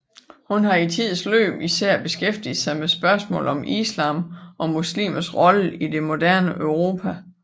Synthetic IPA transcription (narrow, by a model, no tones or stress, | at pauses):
hunɦɑ̈it͡sʰið̞̰ˠslø̰ːb̥isæɐ̰b̥e̝sɡ̥efd̥ið̩ˠsɑ̈ɪmesb̥ɶɐsmɔ̰̽ːlɒ̽mʔislɑ̈ːmʔɒ̽muslḭːmɐsʁɒ̽ləʔid̥e̝mo̝d̥æɐ̰nəʔœʊʁo̝ːpʰæ